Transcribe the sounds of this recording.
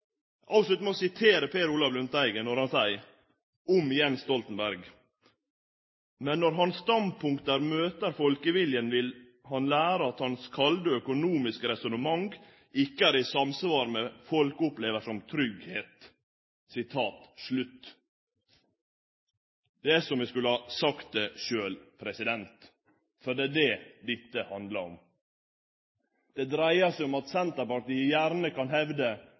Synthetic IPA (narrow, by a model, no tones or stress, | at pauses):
ʔɑpslʉt̪mosɪt̪ʰeːɾəpʰeːɾuːlɑʋlʉnt̪æɪɡənɔɾhɑnsæɪ | ʊmɪjɛnst̪ɔlt̪ənbæɾɡ | mɛnːɔɾɦɑnsst̪ɑnd̪̚pʰʊŋkt̪əɾmøːt̪əɾfɔlkəʋɪljənʋɪl | hɑnlæːɾəɑt̪hɑnskʰɑld̪əœkʊnuːmɪskəɾɛsʊnəmɑŋɡ | ʔɪkːəæːɾɪsɑmsʋɑːɾmɛfɔlkʊpleːʋəʂɔmt̪ʰɾʏɡheːt̪ | sɪt̪ʰɑːt̪ʂlʉt̪ː | d̪ɛæsɔmʋɪskʉləhɑsɑkt̪̚d̪ɛʃøːlpʰɾɛsɪd̪ɛnt̪ | fɔɖ̪ɛːdɛd̪ɪt̪ːəhɑnd̪ləɾɔ̰m | d̪̥ɛd̪ɾæɪəsɛɪɔmɑt̪sɛnt̪əɾpɑɾʈ̪iːəjæːɾnəkɑnɦɛʋd̪ə